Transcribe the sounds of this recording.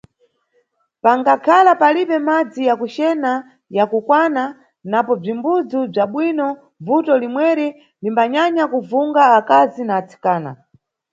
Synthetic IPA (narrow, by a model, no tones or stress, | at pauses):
paŋɡakʰalapaliɓɛmad͡zijakut͡ʃɛna | jakukwana | napɔb͡ʐimbud͡zub͡ʐaɓwinɔ | vutɔlimwɛɾi | limbaɲaɲakuvuŋɡaːkazinaːt͡sʰi̥kaːna̰